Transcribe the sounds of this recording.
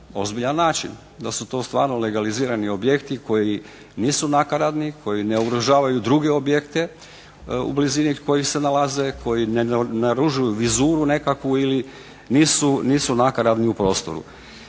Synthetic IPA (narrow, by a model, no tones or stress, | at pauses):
o̞zbiʎanːaːt͡ʃḭn | d̪asut̪o̞ːst̪ʋa̰ːɾnole̞ɡaliziːɾanio̞bje̞kt̪iko̞ji | niːsunakaɾad̪nikʰo̞jineuɡɾoʒaːʋajud̪ɾuɡe̞o̞bjekt̪e | ṵbliziniko̞jixse̞nalazekʰo̞jinenaɾuʒujuʋizuːɾune̞kakʋuili | niːsuniːsunakaɾad̪niupɾo̞ːst̪o̞̰ɾṵ